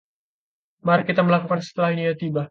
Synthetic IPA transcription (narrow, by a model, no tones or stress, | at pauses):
maɾakːit̪aməlakukansə̥t̪əlahinijat̪iba